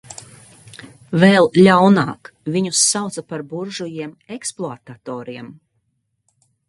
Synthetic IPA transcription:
vɛlˠlʲawnaːkvʲiɲusːawt̪sapaɾbuɾʒujiɛm | eksplˠoat̪at̪ɔːɾiɛm

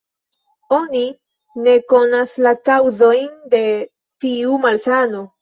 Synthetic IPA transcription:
o̞ni | ne̞ko̞naslakawzo̞jnd̪e̞ | t̪iumalsano

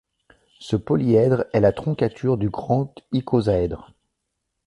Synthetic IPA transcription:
səpɔliɛd̪ʁɛlat̪χɔ̃kʲat̪ʰyʁd̪yɡʁɑ̃t̪ikʰozaɛd̪ʁ

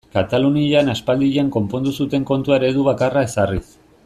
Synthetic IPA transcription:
kat̪aluniaʎanaspald̪iʎaŋko̞mpo̞nd̪usut̪e̞ŋko̞nt̪uaeɾe̞ðuβakarae̞saris

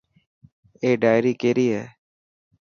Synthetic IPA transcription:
eːɖaːɪɾiːkeːɾiːɦɛː

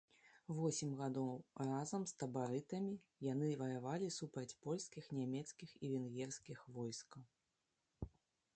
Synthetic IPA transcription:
vɔsʲimʲɣad̪ɔwrazɐmst̪ɐbaɾɨt̪ɐmʲijan̪ɨvɐjavalʲisupɾɐt͡sʲpɔlʲskʲixnʲamʲɛt̪skʲixivʲɛnɣʲɛrskʲixvɔjskɐw

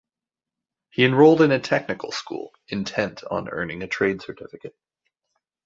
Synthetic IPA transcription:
hiɨ̃nɹoʊlˠdɨ̃nɨtʰɛk̚nɨkl̩ˠskṵlˠɨ̃ntʰɛ̃ntʰn̩ɜ̰˞nɪ̃ŋɨtʰɹ̥eɪd̥sə˞tʰɪfɨkɨt̚

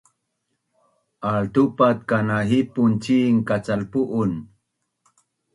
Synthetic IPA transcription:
ʔaɭt̪upat̪̚kanaɦipunt͡ɕiŋkat͡salpuʔun

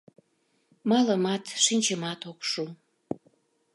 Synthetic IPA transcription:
mɑləmɑt̪ʃinʲt͡ɕəmɑt̪okʃu

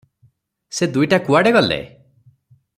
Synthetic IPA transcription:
sed̪ujʈakuaɽeɡɔlḛ

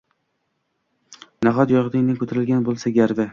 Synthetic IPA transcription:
naʁɒt̪jɒʁd̪ɪŋnɪkʰʲɵt̪ʰɾɪlɡʲanbolˠsaɡʲaɾvɪ

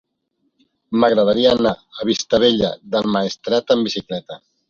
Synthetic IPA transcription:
məɣɾəð̞aɾiaənaəβ̞ist̪əβeʎə̰ðəlˠmaest̪ɾat̪əmbisiklɛt̪ə

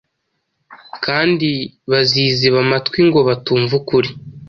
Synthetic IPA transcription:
kaːndiβaziːziβamatwiŋɡo̞βatuːɱvukuɾi

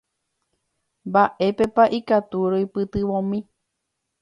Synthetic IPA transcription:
mbaʔe̞pe̞paʔikat̪uɾoipɨt̪ɨʋõmĩ

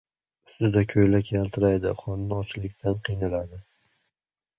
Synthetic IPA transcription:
ʊ̥st̪ɪd̪akʲʰɵjlakʲʰalt̪ʰɪɾajd̪ɪχɒnːɪɒt͡ʃlɪk̚ʲt̪ʰanqʰɨjnɪlad̪ɪ

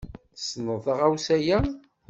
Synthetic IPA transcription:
snəðˤəʁæwsæjæ

